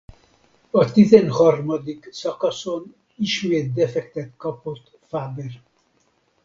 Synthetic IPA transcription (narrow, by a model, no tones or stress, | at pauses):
ɒt̪izɛnhɒrmɒd̪iksɒkɒson | iʃmeːt̪̚d̪ɛfɛkt̪ɛt̪kɒpot̪ː | faːber